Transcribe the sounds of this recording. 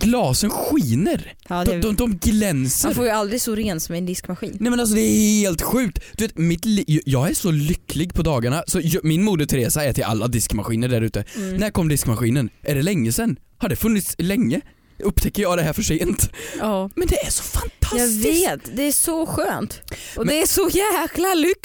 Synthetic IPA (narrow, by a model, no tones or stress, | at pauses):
ɡlɑːsənɧiːnəɾ | d̪ɔɔd̪ɔmɡlɛnsəaɾfoːɾjəald̪ɾɪɡsɔɾeːnsɔmɛɛnd̪ɪskmaɧḭːnnɛmɛnals̬ɔd̪ɛːheːlt̪ɧʉ̟ːk̚t̪d̪̥ɵveːt̪mɪt̪ljjɑːɡæɾʂɔlʏkːlɪɡpʰɔd̪ɑːɡaɳasɔjmɪnmuːd̪ət̪ʰɾeːsaɛːt̪ʰəɾʔa̰lːad̪ɪskmaɧiːnəɖæɾʉ̟ːt̪ənæɾkɔmːd̪ɪskmaɧiːnənʔæɖɛlɛŋːəsɛnːhaɖɛfɵnːɪt̪slɛŋːə | ɵpːt̪ʰɛkːəɾjɑːɡd̪ɛɦæːɾfœʂeːnt̪ː | mɛnd̪ɛæɾʂɔ̥fant̪ʰaɑstveːt̪d̪ɛæʂɔɧøːnt̪ɔdmd̪ɛæʂɔjæːklalʏkː